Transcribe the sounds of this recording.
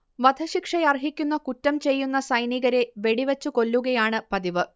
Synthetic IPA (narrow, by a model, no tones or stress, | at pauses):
ʋɐd̪ʱɐɕikʂɐjɐrɦikʲːunːɐkutːɐmt͡ɕe̞jːunːɐsɐjniɣɐɾe̞ʋe̞ɽiʋɐt͡ɕːuko̞lːuɣɐjaːɳɨpɐðiʋɨ